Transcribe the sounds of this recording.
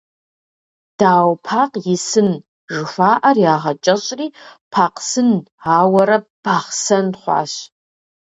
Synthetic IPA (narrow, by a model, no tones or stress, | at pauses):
d̥aːwpʰaqʼjɪsɨn | ʐɨfʷaːʔɐrjaːʁɐt͡ʃʼɐɕʼriːpʰaqʼsɨnaːwɐɾɐb̥aχsɐnχʷa̰ɕ